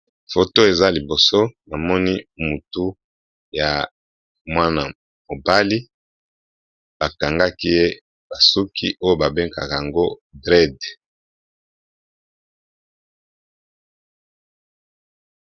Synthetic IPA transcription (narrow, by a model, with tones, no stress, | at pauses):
fo˨to˦e˨za˦li˨bo˨so˦na˨mɔ˦ni˦mu˨tu˦ | ja˨ | mwa˦na˨ | mo˨ba˦li˦ | b̥a˨ka˨ŋɡa˦ki˦je˦ | b̥a˨su˦kʰḭ˦ʔo˦jo˦ba˨be˦ŋka̰˨ka˨ŋɡo˦dʁɛ˦˨d